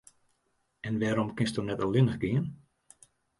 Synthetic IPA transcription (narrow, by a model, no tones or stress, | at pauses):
ɛnʋɛːɾɔmkɪnstɔnɛtəlɪnəxɡɪən